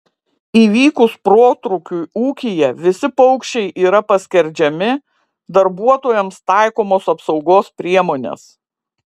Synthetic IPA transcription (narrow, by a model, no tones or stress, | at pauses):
iːʋʲiːkʊspɾoːt̪ɾukʲuɪuːkʲɪjɛʋʲɪsʲɪpɔʊkʃʲɛɪʔiːɾɐpɐsʲkʲɛɾʲd͡ʒʲɛmʲɪ | d̪ɐɾbuɔt̪oːjɛmst̪ɑˑɪkoːmoːsɐpsɒʊɡoːspʲɾʲiɛmoːnʲḛs